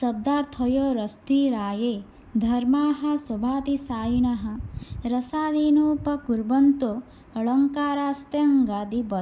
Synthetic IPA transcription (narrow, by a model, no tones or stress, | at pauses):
sɐb̚d̪aːɾt̪ʰɐjoːɾɐst̪iːɾaːjeː | d̪ʱɐɾmaːɦɐsobʱaːt̪isaːjiɳɐɦɐ̆ɾɐsaːd̪iːnoːpɐkuɾbɐnt̪o | ɐɭɐŋkaːɾaːst̪eɐŋɡaːd̪ibɐ